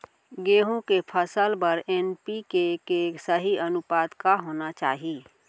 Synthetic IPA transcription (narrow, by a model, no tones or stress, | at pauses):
ɡeːɦõkepʰəsəlpɐɾɛːnpikekesəɦiənʊpaːd̪kaɦoːnat͡ʃa̰ːɦiiː